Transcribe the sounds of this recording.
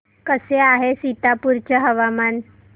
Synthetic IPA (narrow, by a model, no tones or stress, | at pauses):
kəseaɦesit̪apuɾt͡ɕəɦəʋaman